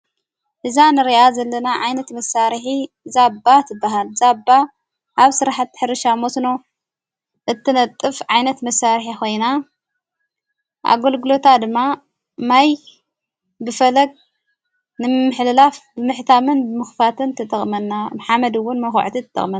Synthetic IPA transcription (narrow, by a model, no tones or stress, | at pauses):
ʔɨzanɨɾiʔazɐlːɐnaʕajnɐt̪mɐsːaɾħi | zabːat̪ʰɨbːaɦalzabːa | ʔaβsɨɾaħat̪ːħɨɾɨʃamosno | ʔɨt̪ːɨnɐt̪ʼːɨfʕajnɐt̪mɐsːaɾħikʰo̞jna | ʔa̰ɡolɡɨlo̞t̪ʰad̪ɨmːa | maj | bɨfɐlɐɡ̚ | nɨmɨħlɨlafbɨmɨħt̪ʰamɨnbɨmɨxfat̪ʰɨnt̪ʰɨt̪ʰʼɨxʼmɐnːamaħamɐd̪ɨwːʊnmɐxʕt̪ʰit̪ʰɨt̪ʰːɨ̰xʼmɐn